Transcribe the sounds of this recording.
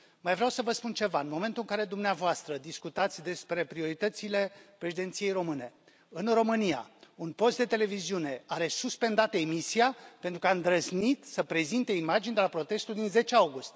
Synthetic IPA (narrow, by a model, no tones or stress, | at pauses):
majvɾeawsəvəspunt͡ʃe̞vaɨnmo̞me̞nt̪ulɨŋkaɾe̞d̪umneavoast̪ɾəd̪iskut̪at̪sʲd̪e̞spɾe̞pɾio̞ɾit̪ət̪sile̞pɾeʃid̪e̞nt̪sije̞jro̞mɨne̞ | ɨnro̞mɨnija̰unpo̞st̪̚d̪e̞t̪e̞le̞viziune̞aɾe̞suspe̞nd̪at̪əemisiape̞nt̪ɾukamd̪ɾəznit̪səpɾe̞zint̪eimad͡ʒind̪elapɾo̞t̪e̞st̪uld̪inze̞t͡ʃeawɡust̪ʲ